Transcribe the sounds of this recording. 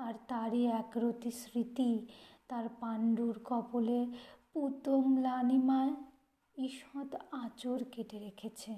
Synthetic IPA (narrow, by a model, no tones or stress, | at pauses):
aɾt̪aɾiɛkɾot̪isɾit̪it̪aɾpaɳɖuɾkɔboleput̪omlanimae | iʃɔd̪at͡ɕoɾkeʈeɾekʰet͡ɕʰe